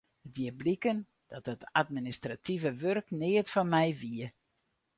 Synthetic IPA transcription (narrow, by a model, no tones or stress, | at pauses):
ətdjiəblikən | d̥ɔtətʰatministratʰivəʋørknɪːətfɔnmɛjʋiə